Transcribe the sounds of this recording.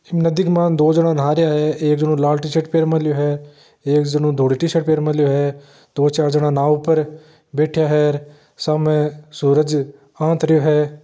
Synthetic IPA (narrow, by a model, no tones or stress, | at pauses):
ɪmnəd̪ɪkmãːnd̪oːd͡ʒəɽãːnaːɾjaːɦɛːeːkd͡ʒənũlaːlʈɪʃəʈpeːɾmə̃ljoːɦɛː | eːkd͡ʒənũːd̪ʱoːɽiːʈiʃəʈpeːɾmə̃lɪjoɦɛː | d̪̥oːt͡ʃaːɾd͡ʒəɽãːnaːʊpəɾ | beːʈʰɪjaɦɛːɾ | saːmẽːsuːɾəd͡ʒ | ãːt̪ɾəjoːɦɛː